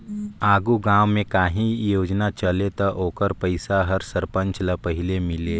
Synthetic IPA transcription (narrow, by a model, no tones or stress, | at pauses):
aːɡuɡãːwmẽkaːɦĩjoːd͡ʒnat͡ʃɐlet̪ɐʔoːkəɾpəɪsaɦɐɾsəɾpə̃ɲt͡ʃlɐpɐɦɪlemɪleː